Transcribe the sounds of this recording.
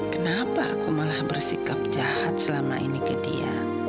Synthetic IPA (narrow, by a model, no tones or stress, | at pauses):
kənapaːkumalahbərsikap̚d͡ʒahat̪̚səlama̰ʔinikədḭa̰